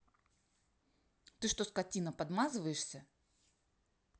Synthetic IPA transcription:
t̪ɨʂt̪oskɐtʲinəpɐd̪mazɨvəjɪʂsʲə

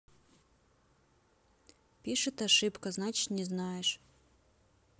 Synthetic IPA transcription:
pʲiʂɨt̪aʂɨpkɐznat͡ɕɪ̥t̪nʲɛznajɛʂ

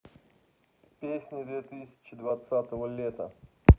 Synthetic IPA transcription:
pʲesʲnʲɪd̪vʲet̪ɨsʲɪ̥t͡ɕɪd̪vat̪sat̪əvəlʲet̪ə̰

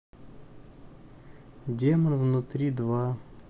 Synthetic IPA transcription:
dʲemɐnvnʊt̪ɾʲid̪ʋa

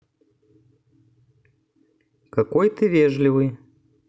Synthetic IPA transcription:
kɐkojt̪ɨvʲeʐlʲɪvɨj

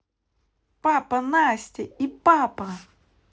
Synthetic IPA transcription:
papɐnasʲtʲɪipapɐ

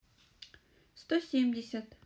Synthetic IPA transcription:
st̪osʲemʲdʲɪsʲɐt̪

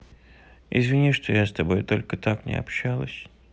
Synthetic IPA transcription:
ɪ̰zvʲɪnʲiʂt̪ojast̪ɐbo̞jt̪o̞lʲkət̪aknʲɪ̰ɐ̰pɕːalˠəsʲ

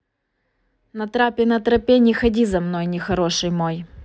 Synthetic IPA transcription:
nɐt̪ɾapʲɪnɐt̪ɾɐpʲenʲɪxɐdʲizɐmno̞jnʲɪxɐɾo̞ʂɨjmo̞j

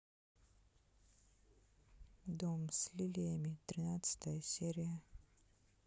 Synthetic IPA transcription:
d̪omsʲlʲilʲɪjəmʲɪt̪ɾʲɪnat̪sɨ̥t̪əjəsʲeɾʲɪjə

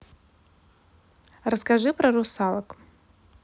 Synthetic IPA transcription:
raskaʐɨprɐrusalˠɐkʼ

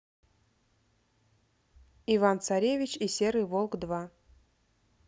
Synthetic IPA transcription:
ivant̪saɾʲevʲɪt͡ɕisʲeɾɨjvolˠkd̪va

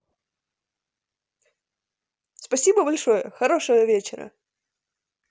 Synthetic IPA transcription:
spɐsʲibəbɐlʲʂo̞jə̰xɐɾoʂəjəvʲet͡ɕɪɾə̰

